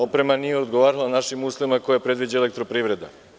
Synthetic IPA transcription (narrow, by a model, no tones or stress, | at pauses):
opɾe̞manijeod̪ɡoʋaːɾalˠanaʃimuːslˠoʋimakojapɾe̞d̪ʋid͡ʑaelekt̪ɾopɾiːʋɾe̞d̪a̰